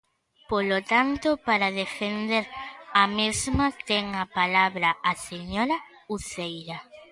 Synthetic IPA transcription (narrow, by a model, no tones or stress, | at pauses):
polot̪ant̪opaɾaðefend̪eɾamezmat̪eŋapalaβɾɐʔaseɲoɾɐ | uθejɾa